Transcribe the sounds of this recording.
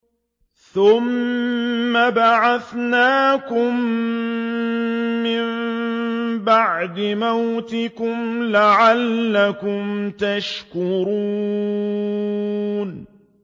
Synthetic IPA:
θʊmː | abaʕaθnaːkʊm | ɪm | baʕd̪ɪmawt̪ɪkʊmlaʕalːakʊmt̪aʃkʊɾuː | n

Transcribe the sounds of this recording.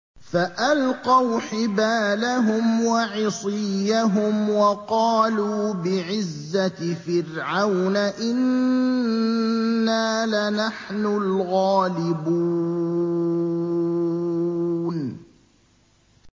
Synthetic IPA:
faʔalqɑwħɪbaːlaɦʊmwɑʕɪsˤɪjːaɦʊmwɑqɑːluːbɪʕɪzːafɪrʕawnaʔɪn | aːlanaħnʊlɣɑːlɪbu | n

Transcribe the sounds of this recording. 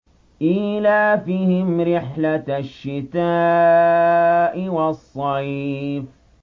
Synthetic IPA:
ʔɪlaːfiːhɪmɾɪħlaʃːɪt̪aː | ʔɪwɑsˤːɑjf

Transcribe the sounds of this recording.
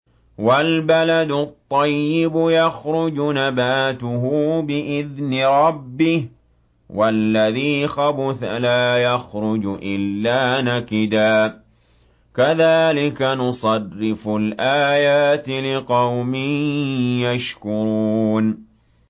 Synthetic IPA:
walbalad̪ʊt̪ˤːɑjːɪbʊjɑxɾʊd͡ʒʊnabaːt̪ʊɦuːbɪʔɪðnɪɾˤɑbːɪh | wʔalːaðiːxabʊθa̰laːjaxɾʊd͡ʒʔɪlːaːnakɪd̪aː | kaðaːlɪkanʊsˤɑrːɪfʊlʔaːjaːt̪ɪlɪqɑwmɪnnjaʃkʊɾuːn

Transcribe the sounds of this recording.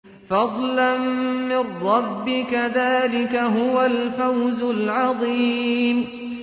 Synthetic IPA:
fɑd̪ˤlanːɪrːɑbːɪkaðaːlɪkaɦʊwalfawzʊlʕɑðˤiːm

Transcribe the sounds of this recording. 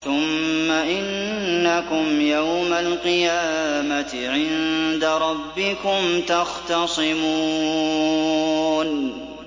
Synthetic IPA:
θʊmːaʔɪnːakʊmjawmalqɨjaːmat̪ɪʕɪnd̪aɾˤɑbːɪkʊmt̪ɑxt̪ɑsˤɨmu | n

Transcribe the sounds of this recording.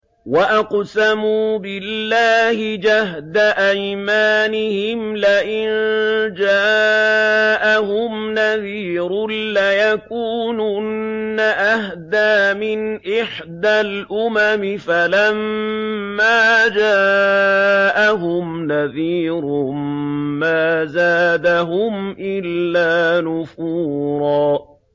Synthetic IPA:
waʔaqsamuːbɪlːaːhɪd͡ʒahd̪aʔajmaːnɪhɪmlaʔɪnnd͡ʒaː | ʔaɦʊmnaðiːɾʊlajakuːnunnaʔahd̪aːmɪnʔɪħ | d̪alʔʊmamɪfalamː | aːd͡ʒaː | ʔaɦʊmnaðiːɾʊ | maːzaːd̪aɦʊmʔɪlːaːnʊfuːɾˤɑː

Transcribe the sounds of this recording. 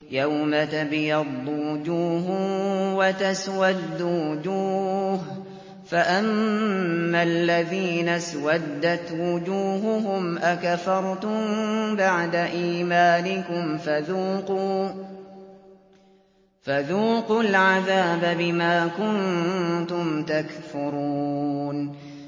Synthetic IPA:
jawmat̪abɪjɑd̪ˤːwʊd͡ʒuːɦʊwat̪aswad̪ːuwʊd͡ʒuːh | faʔamː | alːaðiːnaswad̪ːat̪wʊd͡ʒuːɦʊɦʊmʔakafɑɾˤt̪ʊmbaʕd̪aʔiːmaːnɪkʊmfaðuːquː | faðuːqʊlʕaðaːbabɪmaːkʊnt̪ʊmt̪akfʊɾuːn

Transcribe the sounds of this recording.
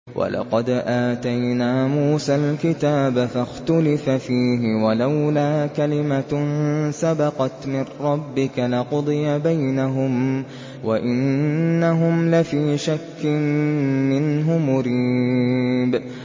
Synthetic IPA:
wʔa̰lʔɑ̰qɑd̪ʔaːt̪ajnaːmuːsalkɪt̪aːbafaxt̪ʊlɪfafiːɦɪwalawlaːkalɪma | sabɑqɑt̪mɪrːɑbːɪkalɪqʊd̪ˤɨjabajnaɦʊm | waʔɪnnːaɦʊmlafiːʃakːɪmmɪnɦʊmʊɾiː | b

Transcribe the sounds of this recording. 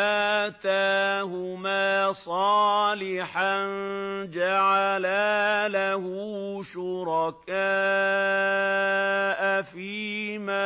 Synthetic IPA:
at̪aːɦʊmaːsˤɑːlɪħand͡ʒaʕalaːlaɦʊʃʊɾɑkaː | ʔafiːma

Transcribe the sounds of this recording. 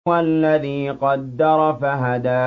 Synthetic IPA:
alːaðiːqɑd̪ːɑɾˤɑfaɦad̪aː

